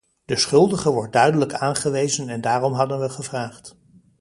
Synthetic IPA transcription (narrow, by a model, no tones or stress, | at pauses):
d̥əsχɵlˠdəχəʋɔɹt̚dœɥdələkaːnχəʋejzənɛndaːrɔmɦɑdənʋəχəvraːχt